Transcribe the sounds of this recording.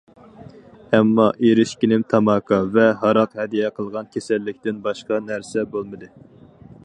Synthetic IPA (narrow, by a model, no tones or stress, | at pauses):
ɛmːɑʔeɾɪʃkʲinɪmt̪ʰɑmɑːkʰɑvɛɦɑɾɑqhɛd̪ijɛqʰəlˠʁɑnkʲʰesɛlːɪkʲt̪ɪnbɑʃqɑnæɾsɛbolˠmɨd̪ɨ